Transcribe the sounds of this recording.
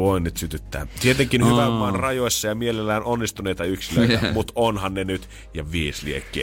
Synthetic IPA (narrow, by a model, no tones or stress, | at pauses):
oinnyt̪syt̪yt̪ːæ̰ːt̪iet̪eŋkinhyʋæmːɑnrɑjoisːɑjɑmielelːæːnʔonːist̪uneit̪ɑyksilø̰ˑit̪æmut̪onhɑnnenyt̪ | jɑʋiːsliekːḭː